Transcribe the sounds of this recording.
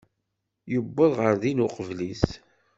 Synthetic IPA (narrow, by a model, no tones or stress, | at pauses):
jəbːəðˤʁəɾðinʊqəvlis